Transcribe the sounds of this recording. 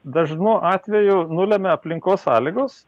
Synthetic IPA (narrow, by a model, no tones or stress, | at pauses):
d̪ɐʒnuːʔɑːt̪ʲʋʲɛjʊnʊlʲɛmʲɛɐpʲlʲɪŋkoːsːɑ̰ːlʲɪɡʊs